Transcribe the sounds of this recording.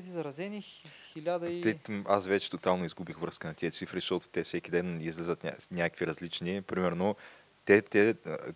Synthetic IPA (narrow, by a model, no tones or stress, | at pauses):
t̪izɐɾɐzɛnixilʲad̪ət̪ɛasvɛt͡ʃɛ̥t̪ʊt̪alˠnoizɡubixvɾɤskənɐt̪iət̪sifɾiʃt̪ɔt̪ʊ̥t̪ɛfsɛkʲid̪ɛnizlʲɛzət̪nʲa̰nʲakəkviɾɐzlit͡ʃnipɾimɛɾno | t̪ɛt̪ɛ